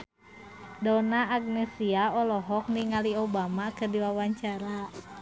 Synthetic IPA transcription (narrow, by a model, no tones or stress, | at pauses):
dɔnaːɡ̚nɛsiaɔlɔɦɔk̚niŋaliobamakɨrdiwawaɲt͡ʃaɾa